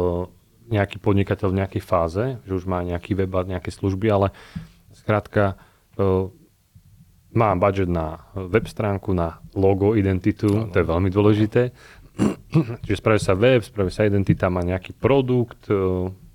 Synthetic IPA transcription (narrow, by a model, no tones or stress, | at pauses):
ɲɛakiːpɔd̪ɲikacɛʎvɲɛakɛjfaːzɛʒɛuʒmaːɲɛakiːʋɛbaɲɛakɛsluʒbialɛ | skɾaːt̪ka | maːbad͡ʒɛd̪naʋɛpst̪ɾaːŋkunalɔɡɔid̪ɛnt̪it̪ut̪ɔjɛʋɛʎmid̪ʊɔlɛʒit̪ɛː | t͡ʃiʒɛspɾaʋisaʋɛpspɾaʋiɛsaid̪ɛnt̪it̪amaːɲɛakiːpɾɔd̪ukt̪